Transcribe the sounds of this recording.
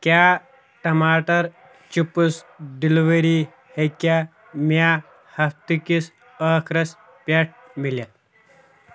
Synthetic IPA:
ka | ʈɐmaːʈɐɾ | t͡ʃipusɖiliʋəɾi | heka | ma | hɐft̪ikis | əːkʰɾɐs | pʲeʈ̚ | miljat̪̚

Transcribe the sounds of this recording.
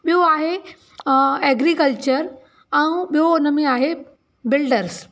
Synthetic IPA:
ɓijoaɦe | ɛɡɾikəlt͡ɕəɾ | ɛ̃ũɓijoʊnəmẽaːɦe | bɪlɖəɾs

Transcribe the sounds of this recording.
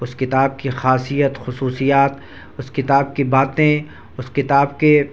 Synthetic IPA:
ʊskɪt̪aːb̚kixaːsijət̪xʊsuːsijaːt̪ | ʊskɪt̪aːb̚kibaːt̪ẽ | ʊskɪt̪aːbke

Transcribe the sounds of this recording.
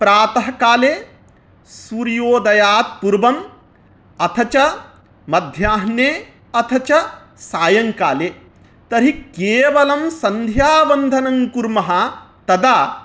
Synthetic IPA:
pɾaːt̪ɐɦɐkaːleː | suːɾjoːd̪ɐjaːt̪̚puɾʋɐm | ɐt̪ʰɐt͡ʃɐ | mɐd̪ʱjaːɦnjeː | ɐt̪ʰɐt͡ʃɐ | saːjɐŋkaːleː | t̪ɐɾikeːʋɐlɐmsɐnd̪ʱjaːʋɐnd̪ʱɐnɐŋkuɾmɐɦɐ̆t̪ɐd̪aː

